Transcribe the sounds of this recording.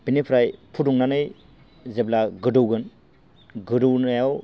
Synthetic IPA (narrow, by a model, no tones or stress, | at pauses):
b̥inipʰɾajpʰuduŋnanɯj | zeblaɡɯdɯwɡɯn | ɡɯduwnajaw